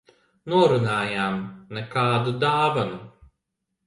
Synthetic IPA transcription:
noːɾunaːjaːmnəkaːd̪ud̪aːʋɐnu

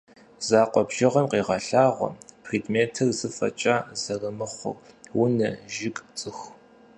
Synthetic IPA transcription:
zaːqʷʼɔbʒ̥ɪʁɐmqiːʁɐɬaːʁʷɔ̰pʰriːdmeːtʰɨrzɨfɐ̰t͡ʃʼaːzɐrɐmɨχʷʊ̰r | wʊnɐʒɪkʼt͡sʼɨx

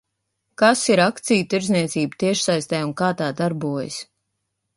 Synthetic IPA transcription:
kasiɾakt̪sijut̪iɾzniɛt̪siːbt̪iɛʃsajst̪ɛːunkaːt̪aːd̪aɾbuɔj̰s

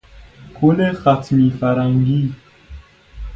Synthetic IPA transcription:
kʰolexatmifaɾaŋɡi

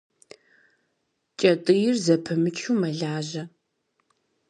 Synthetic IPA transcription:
t͡ʃʼɐtʼɨjɪrzɐpʰɐmɨt͡ʃʰuːmɐɮaːʒɐ

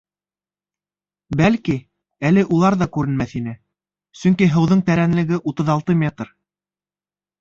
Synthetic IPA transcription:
bælki | ælɘʔulˠɑɾðɑkʉɾɘ̆nmæθinɘ | sɵŋkiɦɤ̆wðɤɴt̪æɾænlɘ̆ɡɘʔut̪ɤ̆ðɑlˠt̪ɤmʲet̪r

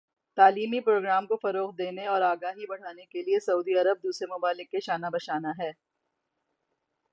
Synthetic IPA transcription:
t̪aːliːmipɾoːɡɾaːmkofɐɾoːqd̪eːneɔːɾaːɡaːɦibɐɽ̤aːnekeliesɐuːd̪iɐɾəb̚d̪uːsɾemʊbaːlɪkːeʃaːnabɐʃaːnaɦɛː

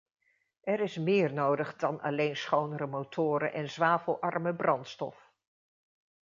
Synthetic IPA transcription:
ʔɛɾɪsmɪːɹnowdəχdɑnɑ̰lejnsχownəɾəmowtʰʊːɾə̰ʔɛnzʋaːvəlˠʔɑɹməbrɑntstɔ̰f

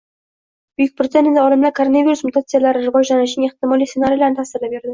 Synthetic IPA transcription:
b̥ɵjɪk̚ʲpʰɾet̪se̞nt̪ɪnd̪æɒɾɪmlakʰoɾonavʲiɾusmut̪at̪sɨjalaɾɪɾʁɑʒʒanaʃɪŋeχt̪ɪmɑlʲˠijsenaɾijlˠaɾnt̪ʰasɪɾlɪbeɾd̪ɪ

